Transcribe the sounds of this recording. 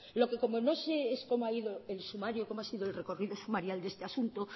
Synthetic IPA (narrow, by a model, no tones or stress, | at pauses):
lo̞ke̞ko̞mono̞seesko̞moaiðoelsumaɾjoko̞moasiðoelre̞ko̞riðo̞sumaɾjald̪e̞st̪easunt̪o